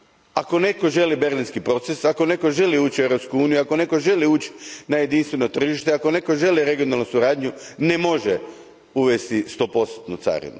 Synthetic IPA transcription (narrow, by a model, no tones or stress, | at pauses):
ako̞ne̞ko̞ʒe̞libe̞ɾlinskipɾo̞t̪sesako̞ne̞ko̞ʒe̞liuːt͡ʃe̞ʋɾo̞pskuuːnijuiakone̞ko̞ʒe̞liuːt͡ɕi̥naje̞d̪inst̪ʋe̞no̞t̪r̩ʒiʃt̪eako̞ne̞ko̞ʒe̞liɾe̞ɡijonalˠnusuɾaːd̪ɲune̞mo̞ʒe | uʋest̪ist̪o̞ːpo̞st̪t̪nut̪sa̰ɾḭnṵ